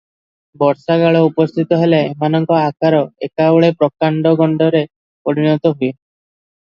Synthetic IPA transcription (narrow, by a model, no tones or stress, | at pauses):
bɔɾsaɡaɭɔupɔst̪ʰit̪ɔɦeleːmanɔŋkɔakaɾɔekaɔɭepɾɔkaɳɖɔɡɔɳɖɔɾe | pɔɾinɔt̪ɔɦue